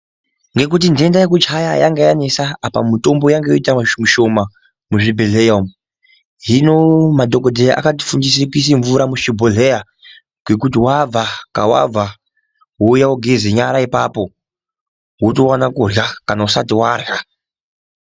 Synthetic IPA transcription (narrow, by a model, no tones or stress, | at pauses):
ŋɡe̞kut̬inde̞ndajekut͡ʃajajaŋɡejane̞saapa̰mito̞mbo̞jaŋɡejoitamuʃo̞ma | muʐibʱeɮejom | ɦinomadʱokodʱejʔa̰kati̥fundis̬ekuis̬iɱvuɾamuʃibʱoɮeja | ɡwe̞kutiwab͡vaka̰wa̰b͡va | wojawoɡʱeziɲaɾaipapo̞ | wutowanakurjakanausatiwarja